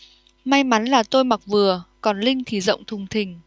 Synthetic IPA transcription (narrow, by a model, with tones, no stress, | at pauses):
ma˧jma˨˦nlaː˨˩t̪o˧jma˨˩k̚vɨ˨˩əkɔ˨˩nlï˧ŋ̟t̪ʰi˨˩zə̰˧˨wŋ͡mt̪ʰʊ˨˩ŋ͡mt̪ʰï˨˩ŋ̟